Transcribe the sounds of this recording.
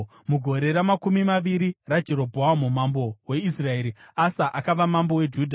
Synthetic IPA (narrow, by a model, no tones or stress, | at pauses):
muɡʱo̞ɾe̞ɾamakumimaʋiɾirad͡ʒe̞ɾobʱoamumambo̞we̞israe̞ːɾiasaʔakaʋamambo̞we̞d͡ʒuːdʱa